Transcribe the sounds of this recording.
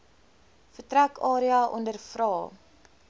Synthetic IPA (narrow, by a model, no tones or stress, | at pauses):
fətɾækɑːɾiɑʔɔ̰ndərfrɑː